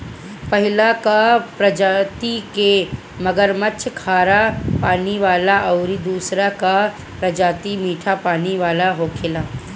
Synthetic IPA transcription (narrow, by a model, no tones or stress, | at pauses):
pɐɦɪlakapɾɐd͡ʒaːt̪ike | mɐɡəɾməʃʰkʰaːɾapaːniʋaːlaʔɐʊɾid̪uːsɾaka | pɾɐd͡ʒaːt̪imiːʈʰapaːniʋaːlaɦoːkʰɪlaː